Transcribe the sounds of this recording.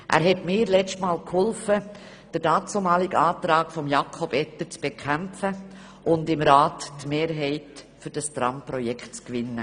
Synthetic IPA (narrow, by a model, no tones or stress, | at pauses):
ʔæ̰ːɾɦɛtmɪːɾlɛt͡ʃtmɑːlkhʊlfə | d̥əɾdɑːt͡somɑːlɪɡɑːtɾɑːkfɔmjɑkʰɔb̥ɛtəɾt͡sb̥ekʰæmfə | ʔʊndɪmɾɑːttmeːɾɦɛɪt | fʏɾd̥ɑstɾɑmpɾɔjɛkt̚t͡skʋɪnːə